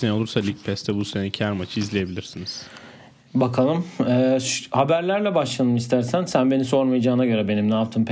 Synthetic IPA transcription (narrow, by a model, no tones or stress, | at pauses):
nɛjolˠuɾsalʲic̚pʰɛst̪ʰɛbusenɛcʰæɾmat͡ʃʰɯizlʲeje̞bilʲiɾsiniz̥ | bakʰalˠɯmɛːʃhabæɾlʲæɾlʲɛbaʃlˠanɯmist̪ʰæɾsænsænbe̞niso̞ɾmajad͡ʒaːɯnaɟø̞ɾɛbe̞nimnaːpt̪ʰɯːmp